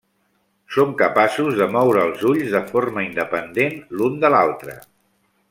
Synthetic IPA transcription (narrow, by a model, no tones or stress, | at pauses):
somkəpasuzðəmɔwɾəːlˠzuʎzðəforməind̪əpənd̪enlund̪əla̰lˠt̪ɾə̰